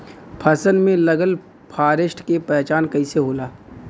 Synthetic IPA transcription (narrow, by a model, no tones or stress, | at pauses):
pʰɐsənmẽlɐɡəl | pʰaːɾɪʃʈʰkepɛːt͡ʃaːnkɐiseɦoːlaː